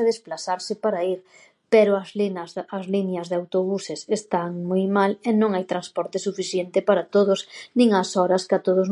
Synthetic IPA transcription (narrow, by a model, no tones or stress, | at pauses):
aðesplaθaɾsɪpaɾaiɾ | pɛɾʊɐzlazlinjɐzðeawt̪oβusɪsest̪aŋmojmalɛnõŋajt̪ɾanspɔɾt̪ɪsufiθjent̪ɪpaɾat̪oðʊsnĩŋasɔɾɐskat̪oðʊz